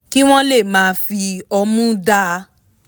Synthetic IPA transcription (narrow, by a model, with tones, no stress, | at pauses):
ki˦w̃ɔ̃˦le˦˨mãː˨˦fi˧ɔ˧mũ˦da˦˧